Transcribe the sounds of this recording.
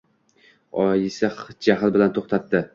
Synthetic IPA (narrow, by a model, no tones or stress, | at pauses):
ɒjɪsaχd͡ʒaɦɪlbɪlant̪ʰoχt̪ʰat̪ːɪ